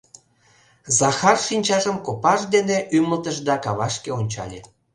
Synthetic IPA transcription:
zɑxɑrʃinʲt͡ɕɑʒəmkopɑʒd̪eneʔyməlt̪əʃd̪ɑkɑβɑʃkeonʲt͡ɕɑ̰lʲe

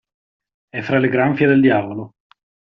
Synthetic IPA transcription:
ɛfːɾaleɡɾaɱfjad̪eld̪jaːvolo

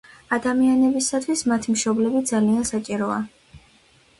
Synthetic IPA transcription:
ad̪amianɛbisat̪ʰwismat̪ʰimʃɔblɛbid̪zaliansat͡ʃʼiɾɔa̰

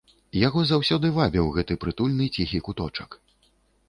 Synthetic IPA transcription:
jaɣɔzawsʲɔd̪ɨvabʲɛwɣɛt̪ɨpɾɨt̪ulʲnɨt͡sʲixʲikut̪ɔt͡ʂɐk

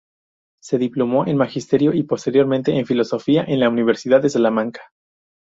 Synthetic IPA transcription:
se̞ðiplomo̞ʔe̞nmaxist̪e̞ɾjo̞ʔipo̞st̪e̞ɾjo̞ɾmẽnt̪eʔːɱfilo̞so̞fiaʔe̞nlauniβ̞e̞ɾsiðaðe̞salamãŋkḁ

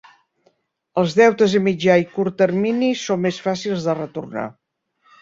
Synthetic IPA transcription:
əlˠzðɛwt̪əzəmid͡ʒaikuɾt̪ːərminisomːesfasilˠzðərət̪urna̰

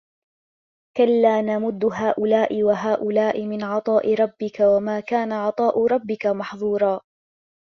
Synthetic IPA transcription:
kalːaːnamʊd̪ːʊɦaːʔʊlaːʔɪwaɦaːʔʊlaːʔɪmɪnʕɑt̪ˤɑːʔɪɾˤɑbːɪkawamaːkaːnaʕɑt̪ˤɑːʔʊɾˤɑbːɪkamɑħðˤuːɾˤɑː

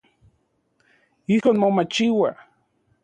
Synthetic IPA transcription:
ihonmomat͡ʃiwa

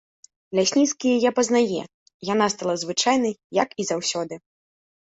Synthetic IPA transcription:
lʲasʲnʲit̪skʲijɛjapɐznajɛ̰ | janast̪alˠazvɨt͡ʂajnɐjjɐkizawsʲɔd̪ɨ

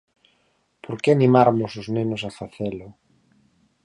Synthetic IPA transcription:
pʰoɾkeanĩmaɾmʊsʊznenʊs̬afaθelʊ

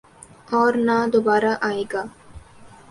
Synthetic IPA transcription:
ɔːɾnaːd̪obaːɾaːʔaːeːɡaː

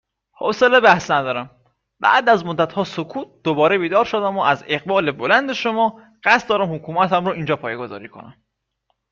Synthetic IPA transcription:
ho̰selebæhsnæd̪ɒːɾæm | bæ̰ʔd̪æzmo̞d̪ːæt̪hɒːsokʰuːt̪̚d̪̥obɒːɾebiːd̪ɒːɾʃod̪æmoʔæzeɣbɒːle̞bo̞lænd̪e̞ʃomɒː | ɢ̥æst̪̚d̪ɒːɾæmhokʰuːmæt̪æmɾoʔiːnd͡ʒɒːpʰɒːjeɡo̞zɒ̰ːɾiːkʰo̞̰næ̰m

